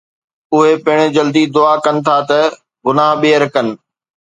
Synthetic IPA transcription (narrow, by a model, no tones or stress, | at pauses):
ʊɦepɐɦɪɽ̃ɪ̆d͡ʑɐld̪id̪ʊakɐnɪ̆t̪ʰaːt̪ɐ | ɡʊnaɦɓeːəɾkɐnɪ̆